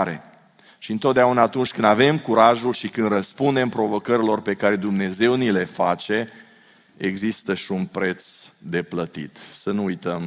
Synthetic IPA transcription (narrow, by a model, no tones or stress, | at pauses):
ɾe̞̰ | ʃiɨnt̪o̞t̪̚d̪eaunaːt̪unt͡ʃʲkɨnd̪ave̞mkuɾaʒulʃikɨnd̪rəspund̪e̞mpɾo̞vo̞kəɾilo̞rpe̞kaɾe̞d̪umne̞ze̞wnile̞fat͡ʃe̞ | eɡzist̪əʃiunpɾe̞t̪sd̪e̞plət̪ḭt̪sənuːjt̪əm